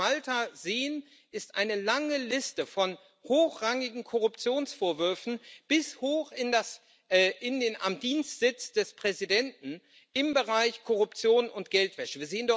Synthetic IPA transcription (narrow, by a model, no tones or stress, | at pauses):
altʰazeːən | ʔɪstʔa̰ɪnəlaŋəlɪstəfɔn | hoːxʁ̥aŋɪɡŋ̩kʰɔʁʊpt͡sjoːnsfoːɐvʏɐfn̩b̥ɪshoːxɪndas | ɛʔɪndeːnʔamdiːnstz̥ɪt͡sd̥ɛspʁ̥ɛzidɛntn̩ | ʔɪmbəʁaɪçkʰɔʁʊpt͡sjoːnʊntɡ̥ɛltv̥ɛʃəviːɐzeːəndɔ